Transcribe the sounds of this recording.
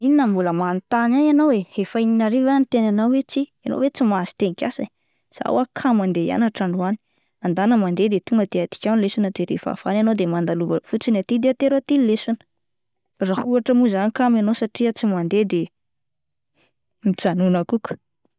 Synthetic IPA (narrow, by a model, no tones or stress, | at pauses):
ininəmbuləmanit̪anananowehefaininaɾivanit̪enanawwet͡siano̰wet͡simazi̥t̪enikʲasa | z̥a̰wakʰamand̪eja̰naʈ͡ʂaɳɖ͡ʐuani̥ | and̪anəmand̪ed̪et̪uŋɡət̪eat̪i̥kʲawnilesanəd̪eɾḛfa̰fananod̪emand̪aluvəfut͡sinat̪id̪eat̪eɾat̪ilesanə̥ | rahuaʈ͡ʂəmuzanikamanosaʈ͡ʂiət͡simand̪ed̪e | mit͡sanunakuku̥